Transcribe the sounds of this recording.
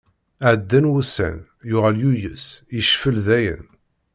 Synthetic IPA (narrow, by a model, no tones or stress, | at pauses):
ʕd̪ːænwusæ̰n | jʊʁæljujə̰sjəʃfəlðæjə̰n